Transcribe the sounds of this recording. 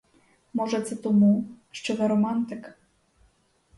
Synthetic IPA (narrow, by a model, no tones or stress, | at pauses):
mɔʐɛt̪sɛt̪ɔmuʂt͡ʂɘvɛɾɔmant̪ɘk